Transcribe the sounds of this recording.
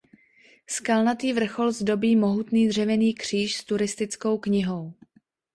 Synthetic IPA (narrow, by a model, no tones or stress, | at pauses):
skalnat̪iːvr̩xo̞lzdo̞biːmo̞ɦut̪niːd̪r̝ɛvɛniːkr̝̥iːʃst̪uɾɪst̪ɪt͡sko̞wkɲɪɦo̞w